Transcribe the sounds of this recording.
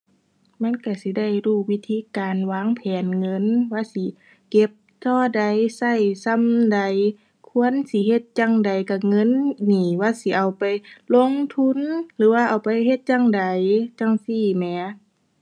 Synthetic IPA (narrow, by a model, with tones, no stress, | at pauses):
ma˧˥˨nka˧˩si˧˦da˧˥˩jduː˧˩wi˧˥t̪ʰiː˧˥˨kaː˨nwaː˧˥˨ŋpʰɛː˨˩nŋɤ˧˥˨nwaː˧˥˨si˧˦ | ke˧˦p̚t̪ɔː˧˩da˨jsa˧˩˨jsa˧˥˨mda˨j | kʰu˧˥ə˨nsi˧˦he˧t̪̚t͡ɕa˧˨ŋda˨jka˧˩ŋɤ˧˥˨nniː˧˩waː˧˥˨si˧˦ʔa˨wpa˨jlo˧˥˨ŋt̪ʰu˧˥˨nlɯː˨˦waː˧˨ʔa˨˩wpa˨jhe˧t̪̚jaː˧˥˨ŋda˨jt͡ɕaː˧˨ŋsiː˧˩mɛː˨˦